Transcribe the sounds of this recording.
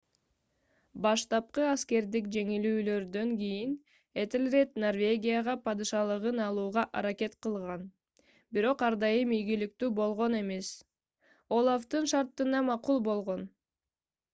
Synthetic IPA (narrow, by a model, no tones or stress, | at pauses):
bɑʃt̪ɑp̚qɯɑske̞ɾd̪ikd͡ʒe̞ŋilyːlø̞ɾd̪ø̞ŋɡʲijin | et̪elʲre̞t̪no̞rvʲe̞ɡʲijaʁɑpɑd̪ɨʃɑlˠɯʁɯnɑlˠuːʁɑʔɑɾake̞t̪qɯlˠʁɑn | biɾo̞qɑɾd̪ɑjɯmijɡilik̚t̪yːbo̞lˠʁo̞ne̞me̞s | o̞lˠaft̪ɯnʃɑɾt̪ːɯnɑmɑqulˠbo̞lˠʁo̞n